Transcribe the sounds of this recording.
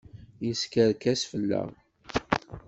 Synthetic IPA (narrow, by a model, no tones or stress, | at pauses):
jiskəɾkæsfəlːæ̰ʁ